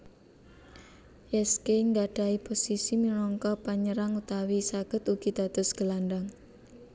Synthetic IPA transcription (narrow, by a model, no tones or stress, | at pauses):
jɛskeŋɡaɖ̥a̤iposisiminɔŋkɔpaɲəɾaŋut̪awisaɡ̥ə̤t̪uɡ̥i̤d̪̥a̤d̪̥ʊ̤sɡ̥əlaɳɖaŋ